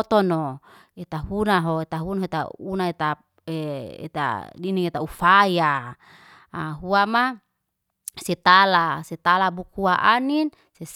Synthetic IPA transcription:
t̪ɔno | et̪aɦunaɦoet̪aɦunaɦoet̪a̰unaet̪a | eḛt̪a̰diniŋet̪aufaja | aɦuama | sɛt̪alasɛt̪alabuk̚huaʔanin | sɛs

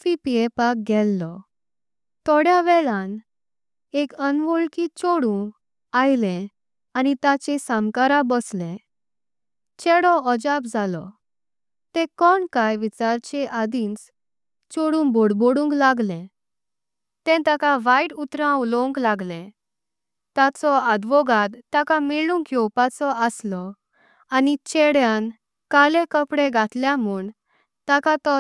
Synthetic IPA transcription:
fipiepak̚ɡʱɛlːɔ | t̪ɔɽjaʋɛɭãn | ekənʋoɭkiːt͡ɕoɽũ | ajlɛ̃ | anit̪at͡ɕesãmkaɾabəslɛ̃ | t͡ɕɛɽɔɔd͡ʑap̚d͡zʱalɔ̰ | t̪ɛ̃kɔɳkajʋit͡saɾt͡ɕeʔad̪ĩnt͡s | t͡ɕoɽũːnboɽboɽũŋklaɡlɛ̃ | t̪ɛ̃t̪akaʋaiʈut̪ɾãulɔ̃ŋklaɡlɛ̃ | t̪at͡sɔad̪ʋɔɡad̪t̪ːakamilũŋkjɔwpat͡sɔəslɔ | anit͡ɕeɽjãn | kalẽkəpɽẽɡat̪ljãmuːɳ | t̪akat̪ɔ

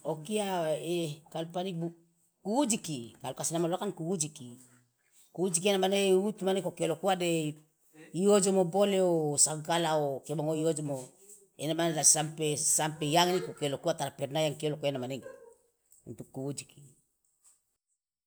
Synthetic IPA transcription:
okiaekalpanibu | kuːd͡ʒikikalkasinamaloakankuud͡ʒiki | kuud͡ʒik̬ienamaneut̪umanekokelokuade | iod͡ʒomoboleosaɡalaokeboŋoiod͡ʒomo | enamanelasampesampejaŋnikokelokuat̪aɾapernajaŋkiolokoenamaneŋ | ṵnt̪ukːuud͡ʒiki

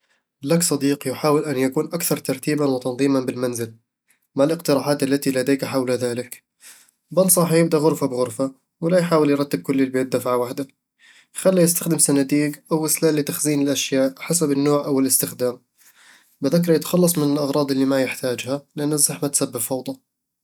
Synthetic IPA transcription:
laksˤɑd̪iːqjɪħaːwɪlʔanjakuːnʔakθɑɾˤt̪ɑɾˤt̪iːbanwɪt̪ɑnðˤiːmanbɪlmanzɪl | malʔɪqt̪ɪɾaːʕaːt̪alːat̪ilad̪eːkaħawlaðaːlɪk | bansˤɑħjɪbd̪aɣʊɾfabɪɣʊɾfa | wɪlajħaːwɪljɾˤɑt̪ːɪb̚kʊlːɪlbeːt̪̚d̪afʕawaħd̪a | xalːajɪst̪axd̪ɪmsanat̪iːɡʔawɪslaːlːɪt̪axziːnɪlʔaʃjaːʔħasabɪnːoːʕʔawɪlɪst̪ɪxd̪aːm | bɪðɪkɾˤɑjɪt̪ḁxɑlːɑsˤmɪnɪlʔɑɣɾˤɑːd̪ˤʔɪlːimajɪħt̪aːd͡ʒhalɪʔanːazːaħmat̪sabːɪbfɑwd̪ˤɑ

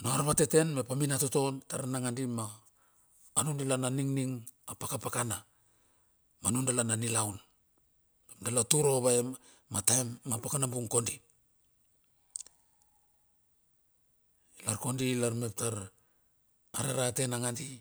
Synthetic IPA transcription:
noaɾβate̞te̞nme̞paminatoto̞ntaɾnaŋandimaː | nundalananiŋniŋapakapakana | manundalananilawn | me̞pdalatuɾo̞βae | matamːapakanambuŋko̞ndi | ilaɾko̞ndilaɾme̞p̚taɾ | aɾaɾate̞naŋandi

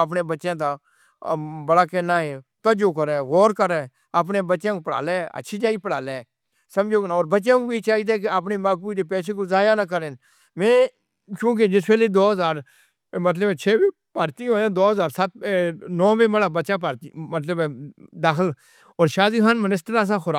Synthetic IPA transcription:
əp̬neːbətːʃãːd̪aː | bəɽaːkeːnaːɦeːt̪əd͡ʒoːkəɾɛːɣoːɾkəɾɛː | apneːbətːʃãːkoːpəɽa̰ːlɛːə̰tːʃʰiːd͡ʒaːiːpəɽaːleː | səmd͡ʒoːknːɔːɾbətːʃãːkoːbiːt͡ʃaːiːd̪eːk̬ɪaːp̬neːmaːkːiːd̪eːpɛːseːkoːzaːjaːnaːk̬əɾeːn | mɛ̃ː | kjũːk̬ɪd͡ʒɪsʋeːleːd̪oːɦəzaːɾ | mət̪ləbɛːt͡ʃʰeːbeː | paːɾt̪iːɦõːãːd̪oːɦəzaːɾsət̪̚nɔːʋẽːməɽaːbəːt͡ʃãːpəɾimət̪ləbɛd̪aːxəl | ɔːɾʃaːziːɦaːnmənɪsʈəɾas̬ãːxʊɾaː

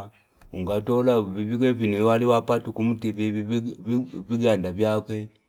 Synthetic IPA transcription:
uŋɡatɔlaβiβikwɛvinuwaliwapatukumutiβi | viɡandavjakwɛ

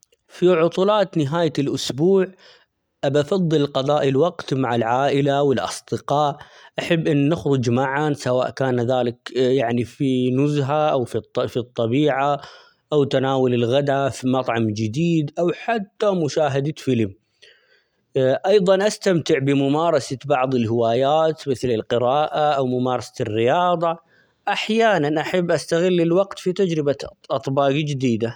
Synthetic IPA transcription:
fiʕʊt̪ˤulɑːt̪nɪɦaːjalʔʊsbuːʕ | ʔabafɑðˤːɨlqɑðˤɑːʔilwɑqt̪maʕɪlʕaːʔɪlawɪlʔɑ̰sˤd̪ɪqɑːʔʔaħabːʔɪnːɪxɾʊd͡ʒmaʕasawa̰ːʔkaːnðaːlɪkjaʕnifinʊzɦaʔawffit̪ˤːɑbiːʕa | ʔawt̪anaːwʊlɪlɣad̪afimɑt̪ˤʕɑmd͡ʒɪd̪iːd̪ʔawħat̪ːamʊʃaːɦad̪fɪlm | ʔɑjðˤɑnʔast̪amt̪ɪʕbɪmʊmaːɾˤɑsabɑʕðˤɪlɦɪwaːjaːt̪mɪθlɪlqɪɾɑːʔaʔawmʊmɑːɾˤɑsḁɪrːɪjɑːðˤɑ | ʔaħjaːnanʔaħabːʔast̪aɣɪlːɪlwaɡt̪fit̪ad͡ʒɾɪbaʔɑt̪ˤbɑːɡd͡ʒɪd̪iːd̪a

